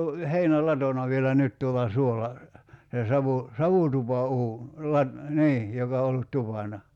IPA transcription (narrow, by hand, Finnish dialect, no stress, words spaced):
o heinælɑtonɑ ʋielæ nyt tuolˑɑ suolɑ se sɑʋu sɑʋutupɑuːn lɑt niː jokɑ o olːut tupɑnɑ